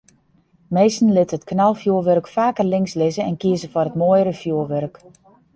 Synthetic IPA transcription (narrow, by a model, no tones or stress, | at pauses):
mejstn̩lɪtətknalˠfjuəʋørkfaːkərlɪŋslɪzəɛnkɪəzəfɔrətmojəɾəfjuəʋørk